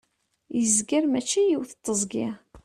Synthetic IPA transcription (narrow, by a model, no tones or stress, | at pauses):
jəzɡəɾmæt͡ʃːijiwθət̪ˤːəzˤɡɪ